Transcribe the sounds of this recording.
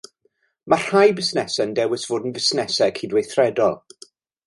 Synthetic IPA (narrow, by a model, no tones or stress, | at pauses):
mar̥hajbɪsnɛsɛndɛwɪsv̥oːdn̩vɪsnɛsɛkʰiːdwejθrɛdɔlˠ